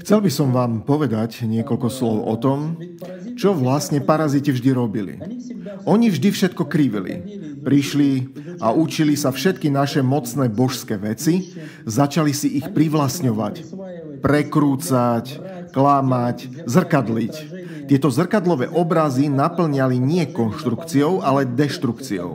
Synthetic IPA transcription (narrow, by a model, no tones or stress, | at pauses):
xt͡sɛlbisɔmʋaːmpɔʋɛd̪acɲɪɛkɔlkɔslɔʊʔɔ̰t̪ɔm | t͡ʃɔʋlasɲɛpaɾazicɛvʒd̪iɾɔbilḭɔɲivʒd̪ifʃɛt̪̚kɔkɾiʋḭlḭpɾiʃliaut͡ʃilisafʃɛt̪̚kinaʃɛmɔt͡snɛːbɔʃskɛːʋɛt͡si | zat͡ʃalisiʔixpɾiʋlasɲɔʋa̰c | pɾɛkɾuːt͡sac | klamac | zr̩kad̪lic | t̪ɪɛt̪ɔzr̩kad̪lɔʋɛ̰ːʔɔbɾazinapl̩ɲaliɲɪɛkɔnʃt̪ɾukt͡siɔʊʔalɛd̪ɛʃt̪ɾukt͡siɔ̰ʊ